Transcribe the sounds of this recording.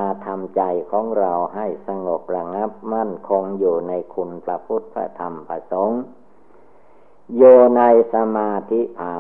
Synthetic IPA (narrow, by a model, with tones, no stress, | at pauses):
aː˧t̪ʰa˧mt͡ɕa˧jkʰɔː˩˦ŋɾa˧wɦa˥˩jsa˧ŋo˨˩p̚ɾa˧ŋa˦˥p̚ma˥˩nkʰo˧ŋjuː˨˩na˧jkʰu˧npɾa˧pʰu˦˥t̪̚pʰɾa̰˧t̪ʰa˧mpʰa˧so˨˦ŋ | juː˨˩na˧jsa˧maː˧t̪ʰi˦˥t̪ʰaː˨˦